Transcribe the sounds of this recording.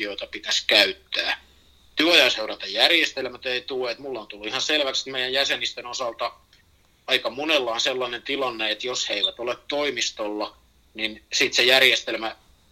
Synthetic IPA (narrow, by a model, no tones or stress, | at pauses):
ioit̪ɑpit̪æskæyt̪ːæː | t̪yøojɑseuɾɑt̪ɑjjærjest̪elmæt̪eit̪ueet̪mulːont̪ulːuihɑnselʋæksi̥t̪meijæjjæsenist̪enosɑlt̪ɑ | ɑikɑmunelːɑːnselːɑnent̪ilɑnːeet̪josheiʋæt̪olet̪t̪oimist̪olːɑ | ninsiˑt̪sejærjest̪elmæ